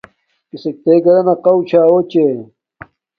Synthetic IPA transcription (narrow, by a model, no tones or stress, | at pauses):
kisek̚t̪eːɡɐɾɐnɐqɐwt͡ɕʰaːwot͡ɕe